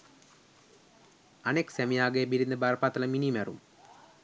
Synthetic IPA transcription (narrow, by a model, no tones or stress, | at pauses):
ɐneksemijaːɡɐebiɾind̪ɐbarpaːt̪ːɐlɐminimɐrṵm